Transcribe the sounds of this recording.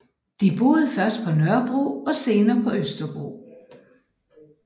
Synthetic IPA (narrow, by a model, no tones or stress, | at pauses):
d̥ib̥o̝ːð̞̩ˠfɶɐsd̥pʰɒ̽nɶɐb̥ʁo̰ɒ̽se̝ːnɐːpʰɒ̽ʔøsd̥ɐb̥ʁo̝̰ː